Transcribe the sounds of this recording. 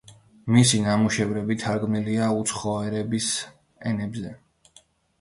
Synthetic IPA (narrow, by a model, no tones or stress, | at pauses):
misinamuʃɛvɾɛbit̪ʰaɾɡmniliaut̪sʰχɔɛɾɛbis | ɛnɛbzɛ